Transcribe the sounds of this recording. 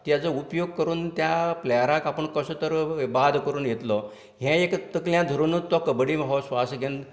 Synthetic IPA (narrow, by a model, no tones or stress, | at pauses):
t̪jat͡səupjoɡ̚kəɾuːnt̪japlɛɾakapəɳkəsət̪əɾbad̪ʱkəɾuːnjet̪lɔ | ɦɛ̃ekt̪əkljãd̪ʱəɾunːut̪ɔkəbɽimɦɔsʋasɡʱen